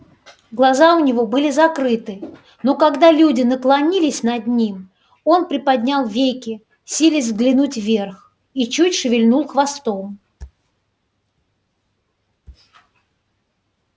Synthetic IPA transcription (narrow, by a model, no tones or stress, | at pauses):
ɡlˠɐzaʊnʲɪvo̞bɨlʲɪzɐkɾɨt̪ɨ | no̞kɐɡd̪alʲudʲɪnəklˠɐnʲilʲɪsʲnɐd̪nʲim | o̞npɾʲɪpɐd̪ʲnʲalˠvʲejkʲɪ | sʲilʲɪz̬ʲzɡlʲɪnutʲvʲe̞rx | it͡ɕutʲʂɨvʲɪlʲnulˠxvɐst̪o̞m